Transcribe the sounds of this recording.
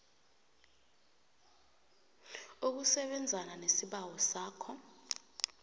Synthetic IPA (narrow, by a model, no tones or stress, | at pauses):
uk̬usɛɓɛnd͡zʱananesiɓawɔsaːkʰɔ